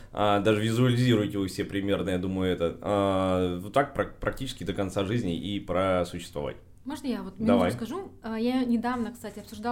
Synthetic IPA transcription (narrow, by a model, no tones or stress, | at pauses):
ad̪aʐɨvʲɪzʊɐlʲɪzʲiɾʊjtʲɪvɨfsʲepɾʲɪmʲe̞rnəjad̪uməjʊɛt̪əanut̪ak̚pɾɐpɾʔɐktʲit͡ɕɪskʲɪd̪əkɐnt̪saʐɨzʲnʲɪ̰ʔipɾəsʊɕːɪ̥st̪vɐ̰va̰tʲ | moʐnəjavot̪mʲd̪ɐva̰j̪̬kɐʐuəjanʲɪd̪avnəkst̪atʲɪɐpsʊʐd̪a